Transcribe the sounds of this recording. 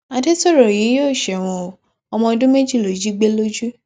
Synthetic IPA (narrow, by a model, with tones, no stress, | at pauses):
a˧te˦sɔ˦˨ɾɔ˨ji˨˦joː˦˨ʃɛ˨w̃ɔ̃˧˨ | ɔ˧mɔ̃˧dũ˦me˦d͡ʒi˦˨lo˨d͡ʒi˦ɡ͡be˦lo˦d͡ʒu˦